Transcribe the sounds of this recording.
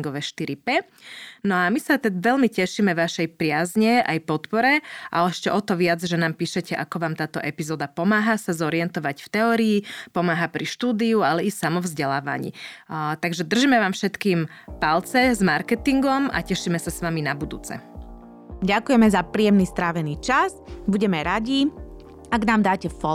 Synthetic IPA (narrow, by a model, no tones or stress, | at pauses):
ŋɡɔʋɛʃt̪iɾipɛ | nɔamisat̪ɛʋɛlmicɛʃimɛʋaʃɛjpɾɪazɲɛa̰jpɔt̪pɔɾɛʔa̰lɛʃcɛʔɔt̪ɔʋɪad͡zʒɛnaːmpiːʃɛcɛʔa̰kɔʋaːmt̪aːt̪ɔʔɛpizɔːd̪apɔmaːɦasazɔɾiɛnt̪ɔʋacft̪ɛɔːɾiːpɔmaːɦapɾiʃt̪uːd̪iualɛisamɔvzɟɛlaːʋa̰ɲḭːt̪aɡʒɛd̪r̩ʒimɛʋaːmfʃɛt̪kiːm | palt͡sɛzmaɾkɛt̪iŋɡɔma̰cɛʃiːmɛsasʋaminabud̪ṵːt͡sɛ̰ | ɟakujɛmɛzapɾiːjɛmnist̪ɾaːʋɛniːt͡ʃaz | buɟɛmɛɾaɟi | aɡnaːmd̪aːcɛfɔ